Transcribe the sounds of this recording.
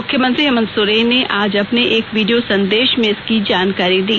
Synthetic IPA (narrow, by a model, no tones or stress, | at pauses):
ʊkʰːjəmə̃nt̪ɾiɦɐmə̃nsʊɾeneʔaːd͡ʒɐpneʔeːkʋiːɖijosɐ̃nd̪eːʃmẽɪskid͡ʒaːnkaːɾid̪iː